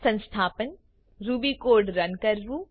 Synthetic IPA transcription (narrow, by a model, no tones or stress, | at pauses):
sə̃nst̪ʰaːpən | ɾuːbiːkoːɾɖɾənkəɾbu